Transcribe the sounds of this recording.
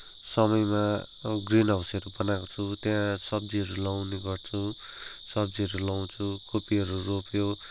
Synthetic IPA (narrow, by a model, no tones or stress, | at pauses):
sʌmʌjmaɡrinʌsʌɾubʌnakot͡sʰut̪jãsʌb̚d͡ziɦʌɾulawneɡʌrt͡sʰusʌb̚d͡ziɦʌɾulaw̃t͡sʰukopiɦʌɾuropjo